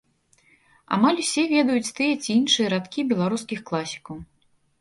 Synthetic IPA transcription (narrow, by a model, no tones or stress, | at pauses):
a̰malʲusʲɛvʲɛd̪ɐjut͡sʲt̪ɨjɛt͡sʲiinʂɨjɐɾat̪kʲibʲɛlˠaɾuskʲixklˠasʲi̥kɐw